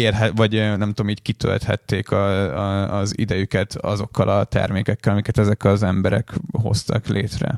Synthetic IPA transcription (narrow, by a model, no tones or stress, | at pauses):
eːlɦɛvɒɟnɛmt̪uomiːckit̪ʰø̰lt̪hɛ̰t̪ːeːkʰɒ | zid̪ɛjykɛt̪ʰɒzo̞kːɒlʔɒt̪ɛ̰rmeːkɛkːɛlɒmikɛt̪ɛzɛkɒzɛmbɛɾɛkɦo̞̰st̪ɒklʔeːt̪rɛ̰